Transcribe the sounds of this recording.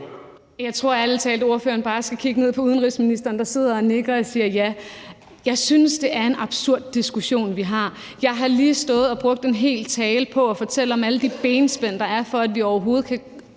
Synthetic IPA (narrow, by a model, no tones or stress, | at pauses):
jɑ̈ɪt͡sʰʁo̝ɐælət͡sʰɛːldəo̝ɐfø̰ːɐnb̥ɑ̈ːsɡ̥ækʰiɡ̥əne̝ð̞̰ˠpʰɒ̽uð̞ˠən̩ʁisminisd̥ɐːnd̥ɑ̈se̝ð̞̰ˠɐɒne̝ɡ̥ɐɒsiːɐjæ | jɑ̈ɪsynəsd̥e̝æɐe̝nɑ̈b̥suɐ̰d̥̚ːisɡ̥uɕo̝̰ːnʋiɦɑ̈ | jɑ̈ɪɦɑ̈liːsd̥ɔ̽ːð̞̩ˠɒ̽b̥ʁɔ̽ɡ̥̚d̥e̝nɦe̝̰ːlt͡sʰɛːləpʰɒ̽ɒfɒ̽t͡sʰel̰əɒ̽mæləd̥ib̥eːnsb̥en̰d̥ɑ̈æɐfɒ̽æd̥ʋiɒʊɐɦo̝ːð̞̩ˠkʰæ